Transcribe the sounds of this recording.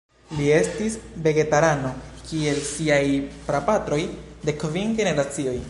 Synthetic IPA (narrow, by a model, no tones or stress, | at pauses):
lie̞stisve̞ɡe̞taɾano̞kie̞lsiajpɾapatɾo̞jde̞kovinɡe̞ne̞ɾat͡sio̞j